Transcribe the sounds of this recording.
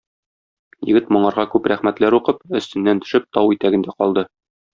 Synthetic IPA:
jɘ̰̆ɡɘt̪mŏɴɑɾʁɑkʉpɾæχmæt̪læɾuqɤpɵ̆st̪ɘ̆nːænt̪ɵ̥̆ʃɘp̚t̪ɒwit̪æɡɘ̆nd̪æqɒlˠd̪ɤ

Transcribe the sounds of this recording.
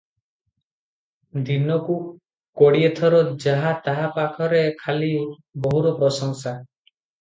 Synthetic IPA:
d̪inɔku | kɔɽiet̪ʰɔɾɔd͡ʒaɦat̪aɦapakʰɔɾekʰali | bɔɦuɾɔpɾɔsɔŋsa

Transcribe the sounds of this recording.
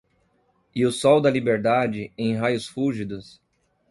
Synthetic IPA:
ɪʊsɔwd̪ɐlibeɾd̪ad͡ʒɪẽj̃ɦajʊsfuʒid̪ʊs

